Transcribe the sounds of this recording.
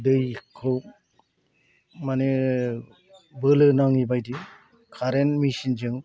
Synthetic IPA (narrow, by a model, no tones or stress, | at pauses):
dɯjkʰɯw | mane | bɯlɯnaŋibajdi | kʰaɾenmisind͡ʒɯŋ